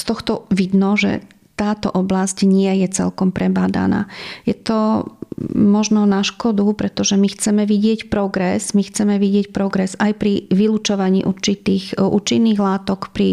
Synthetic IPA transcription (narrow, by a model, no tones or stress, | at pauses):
st̪ɔxt̪ɔʋid̪nɔʒɛ̰ | t̪aːt̪ɔ̰ʔɔblascɲɪɛjɛt͡sɛ̰lkɔmpɾɛbaːd̪a̰na̰ːjɛt̪ɔ | mɔʒnɔnaʃkɔd̪upɾɛt̪ɔʒɛmixt͡sɛmɛʋiɟɪɛcpɾɔɡɾɛsmixt͡sɛmɛʋiɟɪɛcpɾɔɡɾɛzajpɾiʋilut͡ʃɔʋaɲḭːʔuɾt͡ʃit̪iːxṵːt͡ʃinːiːɣlaːt̪ɔkpɾi